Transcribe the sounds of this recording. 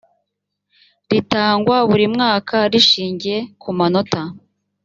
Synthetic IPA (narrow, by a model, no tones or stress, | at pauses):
ɾitaːŋɡwaβuɾimŋaːkʰaɾiʃiːɲɟije̞kumano̞ta